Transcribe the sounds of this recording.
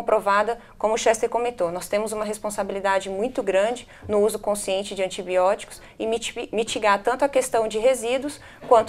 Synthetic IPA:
pɾovad̪ɐkõmʊʃɛst̪eɾkõmẽnt̪onɔst̪ẽmʊzũmɐɦespõsabilid̪ad͡ʒɪmũj̃t̪ʊɡɾɐ̃d͡ʒɪ | nʊuzʊkõsiẽnt͡ʃɪd͡ʒɪɐ̃nt͡ʃibiɔt͡ʃi̥kʊ̥s | ɪmit͡ʃiɡaɾt̪ɐ̃nt̪ʊɐkest̪ɐ̃w̃d͡ʒɪɦezid̪wʊs | kwɐ̃nt̪

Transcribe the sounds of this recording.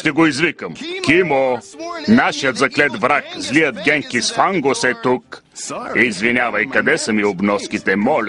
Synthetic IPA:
ʃt̪ɛɡoizvikəmkimonaʃijət̪zɐklɛt̪vɾakzlijəd̪̚ɡʲɛŋkisfaŋɡosɛt̪uk | iizvinʲavɐjkɐd̪ɛsəmiobnɔskit̪ɛmɔlʲ

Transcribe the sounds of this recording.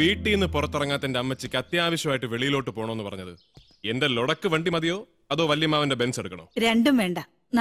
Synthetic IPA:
ʋiːʈːiinːɨpurɐt̪ːirɐŋːaːt̪ːindeɐmːɐt͡ɕːikʲːɐt̪jɐaːʋɐɕjɐmaːjiʈːɨʋe̞ɭijilo̞ːʈːɨpo̞ːɳɐmːenːɨpɐrɐɲːɐðɨ | e̞nde̞loɽɐkːɨʋeɳɖimɐðijo̞ː | ɐðo̞ːʋɐljɐmaːʋɐnde̞be̞nseɽukːɐɳo̰ːɾe̞ɳɖumʋeːɳɖɐ | n

